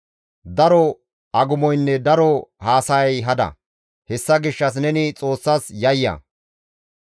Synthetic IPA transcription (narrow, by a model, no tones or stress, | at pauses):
d̪ɐɾɔ | ʔɐɡʊmɔjnːɛd̪ɐɾɔhaːsɐjɐjɦɐd̪ɐ̰ | hɛsːɐɡɪʃːɐs̬nɛnɪt͡sʼo̞ːsːɐsjɐjːɐ̰